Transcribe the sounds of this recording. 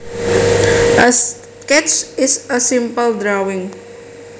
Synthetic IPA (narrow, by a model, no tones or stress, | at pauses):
əs | kɛtt͡ʃɪsəsɪ̃mpəld̪ɾawɪ̃ŋ